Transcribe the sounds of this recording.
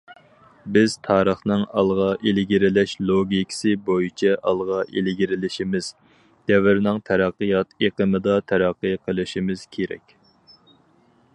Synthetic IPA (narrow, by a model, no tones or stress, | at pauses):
bɪz̥t̪ʰɑːɾəχnɨŋɑ̰lˠʁɑʔelɪɡʲiɾɪlɛʃlˠoɡʲikʲʰɪ̥sɪbojit͡ʃʰɛʔɑlˠʁɑʔelɪɡʲiɾɪlɪʃimɪz̥ | d̪̥ɛvɪɾnɪŋt̪ʰæɾɑqːɨjɑt̪eqəmɨd̪ɑt̪ʰæɾɑqːəjqʰəlˠɪʃimɪz̥kʲʰeɾɛ̰kʲ